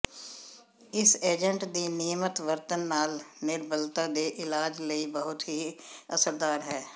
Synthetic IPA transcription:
ɪseːd͡ʒəɳʈd̪iːniːmət̪ʋəɾt̪ənːaːlnɪɾbəlt̪aːd̪eːʔɪlaːd͡ʒləiːbəɦʊt̪ɦiːəsəɾd̪aːɾɦɛː

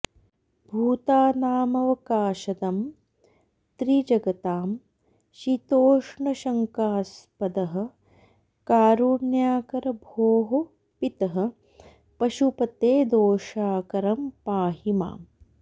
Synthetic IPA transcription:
bʱuːt̪aːnaːmɐʋɐkaːʃɐd̪ɐm | t̪ɾid͡ʒɐɡɐt̪aːm | ʃit̪oːʂɳɐʃɐŋkaːspɐd̪ɐɦɐ̆ | kaːɾuːɳjaːkɐɾɐbʱoːɦo | pit̪ɐɦɐ̆ | pɐʃupɐt̪eːd̪oːʃaːkɐɾɐmpaːɦima̰ːm

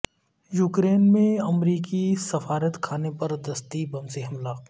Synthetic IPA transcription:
juːkɾeːnmẽɐmɾiːkisɐfaːɾət̪kʰaːnepɐɾd̪ɐst̪ibɐmseɦɐmlaː

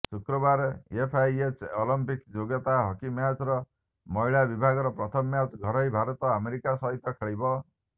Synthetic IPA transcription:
sukɾɔbaɾepʰajet͡ʃolɔmpikd͡ʒoɡɔt̪aɦɔkimjat͡ʃɾɔ | mɔiɭabibʱaɡɔɾɔpɾɔt̪ʰɔmːjat͡ʃɡʱɔɾɔɦibʱaɾɔt̪ɔameɾikasɔɦit̪ɔkʰeɭibɔ

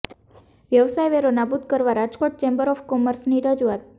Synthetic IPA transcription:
ʋjəʋsajʋeɾonabud̪kəɾʋaɾad͡ʒkoʈ̚t͡ʃɛmbəɾɔfkɔməɾsniɾəd͡ʒuat̪̚

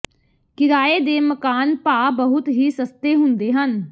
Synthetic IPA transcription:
kɪɾaːeːd̪eːməkaːnpaːbəɦʊt̪ɦiːsəst̪eːɦʊnd̪eːɦən

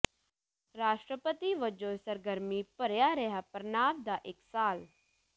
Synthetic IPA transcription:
ɾaːʃʈɾəpət̪iʋəd͡ʒoːsəɾɡəɾmipəɾjaɾɛɦapəɾnaːbd̪aʔɪksaːl

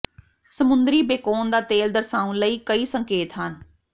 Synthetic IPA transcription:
səmʊnd̪ɾiːbeːkoːnd̪aːt̪eːld̪əɾsaːũnləiːkəiːsəŋkeːt̪ɦən

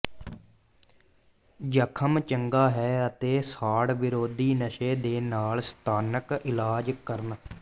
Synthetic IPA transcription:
d͡ʒəkʰəmt͡ʃəŋɡaːɦɛːət̪eːsaːɽʋɪɾoːd̪iːnəʃeːd̪eːnaːlst̪aːnəkɪlaːd͡ʒkəɾən

